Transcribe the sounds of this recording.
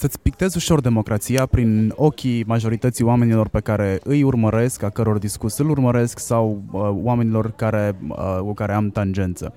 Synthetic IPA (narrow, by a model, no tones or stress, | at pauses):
sət̪sʲpik̚t̪e̞zuʃo̞rd̪e̞mo̞kɾat̪sijapɾino̞kʲimaʒo̞ɾit̪ət̪sijoame̞nilo̞rpe̞kaɾe̞ɨjurməɾe̞skakəɾo̞rd̪iskursɨlurməɾe̞sksawwame̞nilo̞rkaɾe̞kukaɾe̞amt̪and͡ʒe̞nt̪sə̰